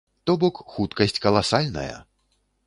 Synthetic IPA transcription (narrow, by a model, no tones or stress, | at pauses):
t̪ɔbɔkxut̪kɐsʲt͡sʲkɐlˠasalʲnɐ̰jɐ̰